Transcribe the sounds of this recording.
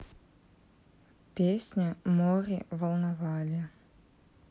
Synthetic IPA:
pʲesʲnʲəmoɾʲivəlˠnɐvalʲɪ

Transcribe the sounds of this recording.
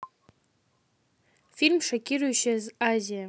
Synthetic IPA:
filmʂakʲʰʼiruʃazazija

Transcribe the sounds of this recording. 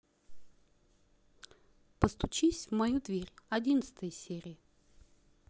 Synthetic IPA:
pəst̪ʊt͡ɕisʲvmɐjud̪vʲeɾʲɐdʲinət̪sə̥t̪əjəsʲeɾʲɪjə

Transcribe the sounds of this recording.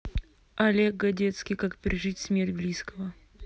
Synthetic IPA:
ɐlʲek̚ɡɐdʲet̪skʲijkakpʲɪɾʲɪʐɨtʲsmʲertʲblʲiskəvə

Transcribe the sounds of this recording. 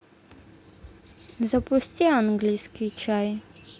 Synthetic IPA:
zapust̪ʲiaŋɡliskit͡ʃaj

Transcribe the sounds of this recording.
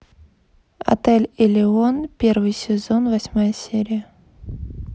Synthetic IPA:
ɐ̰t̪ɛlʲɪlʲɪonpʲervɨjsʲɪzo̞nvɐsʲmajəsʲeɾʲɪjə

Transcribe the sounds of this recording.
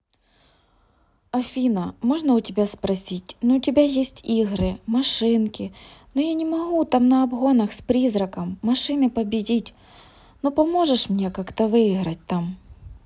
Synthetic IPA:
ɐfʲinɐmɔʐnɐʊtʲɪbʲaspɾɐsʲitʲnɔʊtʲɪbʲajesʲtʲiɣɾɪmɐʂɪnkʲɪnɔjanʲɪmɐɦut̪amnɐɐbɦonɐxspɾʲizɾɐkɐmːɐʂɪnɪpɐbʲɪdʲitʲ | nɔpɐmoʐɛʂmnʲekakt̪ɐʋɪjiɣɾɐt̚ʲt̪am

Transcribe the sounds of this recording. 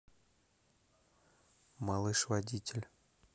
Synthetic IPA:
malˠɨʂvadʲitʲɪlʲ

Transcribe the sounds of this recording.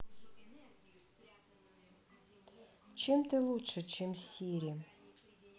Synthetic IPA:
t͡ɕemt̪ɨlˠutʂət͡ɕʰemsʲiɾʲi

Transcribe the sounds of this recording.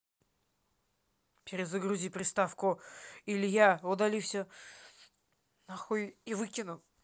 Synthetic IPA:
pʲɪɾʲɪzəɡɾuzʲipɾʲɪst̪afkʊilʲjaʊd̪ɐlʲifsʲə | nɐxojivɨkʲɪnʊ

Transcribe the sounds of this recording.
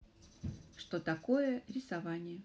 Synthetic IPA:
ʂt̪ot̪ɐkojəɾʲɪsavanʲɪjə

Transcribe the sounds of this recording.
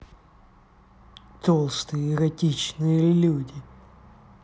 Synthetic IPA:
t̪olˠst̪ɨjəɪɾɐtʲit͡ɕnɨjəlʲudʲɪ

